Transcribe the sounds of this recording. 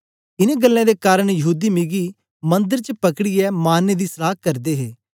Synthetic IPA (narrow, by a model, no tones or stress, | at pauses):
ɪnẽɡəlːãd̪ekaːɾəɽ̃jəɦuːd̪imɪɡi | mɐ̃nd̪əɾt͡ʃəpɐkɽijɛmaːnːed̪isɐlaːkɐɾd̪eɦeː